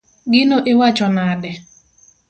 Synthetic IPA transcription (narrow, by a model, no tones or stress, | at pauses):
ɡɪnoʔɪwat͡ʃɔnadɛ